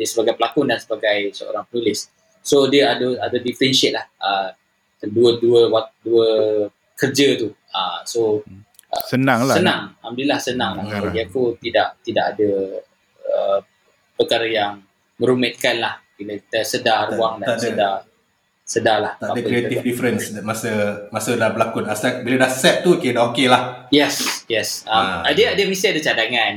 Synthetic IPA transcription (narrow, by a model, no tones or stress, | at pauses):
diəsəbaɡajpəlakʊndansəbaɡajsəo̰ɾaŋpənulɪs | sodiəadəadədifəɾɛnʃɪʔ̚lahə | əduəduəwaduə | kərd͡ʒət̪u | əso | ʔə̰sənãŋsənãŋamdilahsənaŋlahadiəkut̪idaʔt̪idaʔadə | ə | pəkaɾəjaŋ | mə̃ɾumɛt̪̚kanlahbilət̪əsədaɾuaŋdasəda | sədalaht̪aadəəkɾeet̪ifdifɾənsdamasəmasəlahbəlakʊnasɛk̚bilədasɛp̚t̪ukedaokelahjɛsjɛsamadəadəmist̪iadat͡ʃadaŋãn